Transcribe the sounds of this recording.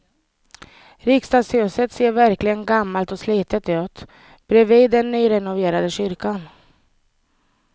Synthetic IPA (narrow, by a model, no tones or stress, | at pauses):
ɾɪkst̪ɑːɡsøːsət̪seːɾvæɾklɪɡənɡamːalt̪ɔsliːt̪ət̪ʉ̟ːt̪ | b̥ɾɛviːd̪ːɛnːyːɾɛnʊveːɾad̪əɕʏɾkan